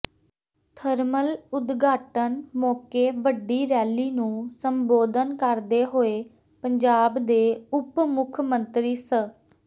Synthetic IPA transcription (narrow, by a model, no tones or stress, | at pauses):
t̪ʰəɾməlʊd̪ɡaːʈənmɔːkeːʋəɖːiːɾɛːliːnũːsəmboːd̪ənkəɾd̪eːɦoːeː | pəɲd͡ʒaːbd̪eːʊpmʊkʰmə̃nt̪ɾiːsə